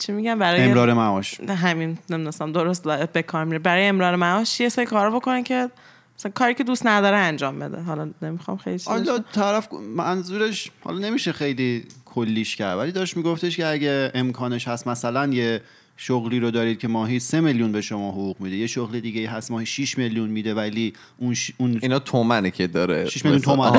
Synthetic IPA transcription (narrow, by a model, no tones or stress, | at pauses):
t͡ʃʰimiɟæmbæɾɒːemeɾɒːɾemæɒʃɦæminneminosæmd̪oɾost̪zɒeb̚be̞kʰɒːɾmiːɾebæɾɒːjeemɾɒːɾemæɒːʃjesɒːɾikʰɒːɾɒbo̞konecʰe̞ | sækʰɒːɾiːcʰe̞d̪ust̪næd̪ɒːɾeænd͡ʒɒːmbe̞d̪ḛɦɒlɒne̞mixɒ̰mxejlit͡ʃiɒlːɒt̪ʰæɾæfmænzuːɾeʃhɒ̰lɒne̞miːʃexejlikʰolːiːʃcæɾd̪vælid̪ɒɾeʃmiɡoft̪eʃceæɟeemkʰɒːneʃhæst̪mæsælænje̞ | ʃoɣliːɾod̪ɒːɾid̪̥̚cʰe̞mɒːɦise̞meljunbe̞ʃomɒːɦoɣuːɣmid̪ijeʃoɣled̪iːɡeiːɦæst̪mɒːhiʃiʃme̞ljunmiːd̪e̞væli | unʃuninɒt̪ʰomænicʰed̪ɒɾḛʃiʃmeljunt̪omæ